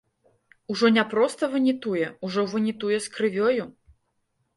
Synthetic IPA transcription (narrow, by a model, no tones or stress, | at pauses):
uʐɔnʲapɾɔst̪ɐvɨnʲit̪ujɛuʐɔvɨnʲit̪ujɛskɾɨvʲɔju